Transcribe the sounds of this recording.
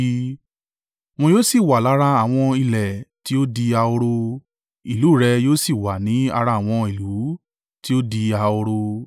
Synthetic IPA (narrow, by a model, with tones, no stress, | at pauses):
w̃ɔ̃˧joː˦si˦˨wa˨la˨˦ɾa˧a˨w̃ɔ̃˧i˧˨lɛ˨ti˦o˦di˧a˧o˧ɾo˧ | i˨lu˨˦˨ɾɛ˧joː˦si˦˨wa˨nĩ˨˦a̰˧ɾa˧˦˨w̃ɔ̃˧i˨lu˨˦ | ti˦o˦di˧a˧o˧ɾo˧